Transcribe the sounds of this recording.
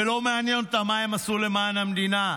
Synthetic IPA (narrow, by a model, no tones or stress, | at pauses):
ɪloːmaːniɐmt̪ɐmaːemɐsuːlemaːnɐmɗiːnaː